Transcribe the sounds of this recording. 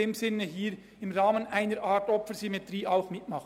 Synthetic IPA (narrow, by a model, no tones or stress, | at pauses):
eːmsɪnəɦiːɾ | ɪmʁɑːmənʔæɪnəɾʔaːtɔpfəɾsymetriːʔaʊxmɪtmɑχ